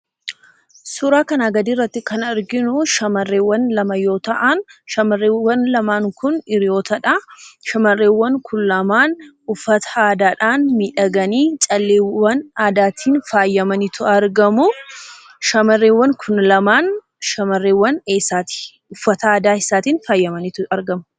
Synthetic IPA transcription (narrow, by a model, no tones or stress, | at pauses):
sʊɾaːkɐnaːɡɐd̪iːrːɐt̪ːɪkɐnɐɾɡɪnʊʃɐmɐrːeːwːɐnlɐmɐjo̞ːt̪ɐʔɐnʃɐmɐrːeːwːɐnlɐmaːŋkʊnɪɾɪjo̞ːt̪ɐᶑɐʃɐmɐrːeːwːɐŋkʰʊnlɐmaːn | ʊfːɐt̪ɐ̥aːd̪aːᶑaːnmiːᶑɐɡɐniːt͡ʃʼɐlːeːwɐnaːd̪aːt̪ʰiːnfaːjːɐmɐnɪt̪ʊɐɾɡɐmʊ | ʃɐmɐrːeːwːɐŋkʰʊnlɐmaːn | ʃɐmɐrːeːwːɐneːsaːt̪i̥ | ʊfːɐt̪ɐaːd̪aːɪsaːt̪iːnfaːjːɐmɐnɪt̪ʊɐɾɡɐmʊ